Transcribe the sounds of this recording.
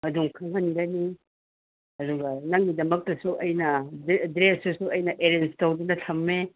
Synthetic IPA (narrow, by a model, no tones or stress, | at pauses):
mɐduŋkʰɐŋɦɐnɡɐni | ɐduɡɐnɐŋɡidɐmɐk̚tɐsuʔɐjnɐdɾesusuɐjnɐʔeɾenstɐwdunɐtʰɐmːe